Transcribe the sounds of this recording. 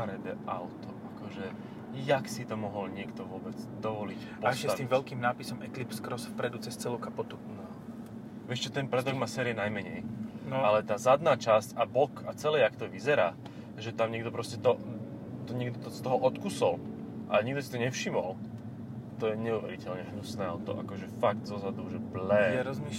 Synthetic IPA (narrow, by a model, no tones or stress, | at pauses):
aɾɛd̪ɛ̰ʔa̰ʊt̪ɔʔakɔʒɛ | jaksit̪ɔmɔɦɔlɲɪɛkt̪ɔʋʊɔbɛd͡zd̪ɔʋɔlic | pɔasʃtɛaimvɛlkiːmnaːpisɔmɛklipskɾɔsfpɾɛd̪ut͡sɛst͡sɛlukapɔt̪unɔ | ʋɪɛʃt͡ʃɛt̪ɛnpɾɛd̪ɔɡmaːsɛːɾiɛnajmɛɲɛjnalɛt̪aːzad̪naːt͡ʃascabɔkat͡sɛlɛːakt̪ɔʋizɛɾaː | ʒɛt̪amɲɛɡd̪ɔpɾɔscɛt̪ɔ | t̪ɔɲɛɡd̪ɔt̪ɔst̪ɔɦɔʔɔt̪kusɔl | ʔaɲiɡd̪ɔsit̪ɔɲɛfʃimɔl | t̪ɔjɛɲɛuʋɛ̰ɾḭcɛlɲɛɦnusnɛːɔt̪ɔ̰ʔa̰kɔʒɛfaɡd̪zɔzad̪uʒɛblɛɛɾɔzmi